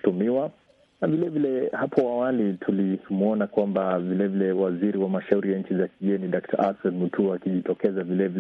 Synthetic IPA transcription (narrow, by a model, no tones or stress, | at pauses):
tumiwa | navilɛvilɛhapʰɔwawalitʰulimuɔnakwambavilɛvilɛwaziɾiwamaʃauɾijaɲ̩t͡ʃizakiɠɛniɗak̚tʰa̰ʔasɔnmutuakiʄitɔkɛzavilɛvil